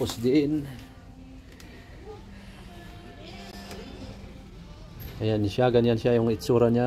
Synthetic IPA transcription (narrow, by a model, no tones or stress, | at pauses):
ʊsd̪ɪʔɪn | kajanɪʃjaɡanjanʃjajʊŋɪt̪suɾanja